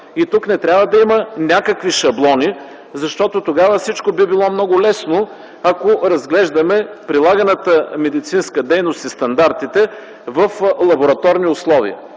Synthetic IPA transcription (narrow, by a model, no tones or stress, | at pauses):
it̪uknɛt̪ɾʲjabəd̪ɐimənʲakəkviʃɐblˠɔni | zɐʃt̪ɔt̪ot̪oɡavəfsit͡ʃkobibilˠɔmnɔɡʊlɛsno | ɐkoɾɐzɡlɛʒd̪ɐmɛpɾilˠaɡɐnət̪əmɛd̪it̪sinskəd̪ɛjnost̪ist̪ɐnd̪aɾt̪it̪ɛ | vəflˠɐboɾɐt̪ɔɾniʊslˠɔvḭə̰